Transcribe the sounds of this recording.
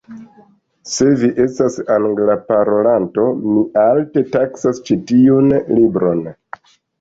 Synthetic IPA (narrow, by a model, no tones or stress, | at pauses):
se̞viʔe̞stasaŋɡlapaɾo̞lanto̞miʔalte̞taksast͡ʃitiunlibɾo̞n